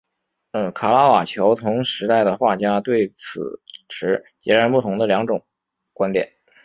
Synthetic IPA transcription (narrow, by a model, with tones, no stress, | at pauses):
kʰa˨˩la˥wa˨˩t͡ɕʰjo˧˥ʊt̪ʰʊ˧˥ŋʂɻ̩˧˥t̪a˥˩ɪd̪ə˩xwa˥˩t͡ɕja˥t̪we˥˩ɪt͡sʰɹ̩̰˨˩ʈ͡ʂʰɻ̩˧˥t͡ɕjɛ˧˥ɻa˧˥npu˥˩t̪ʰʊ˧˥ŋd̪ə˧ljɑ˧˥ŋʈ͡ʂʊ˨˩˦ŋ | kwa˥nt̪jɛ̰˨˩˦n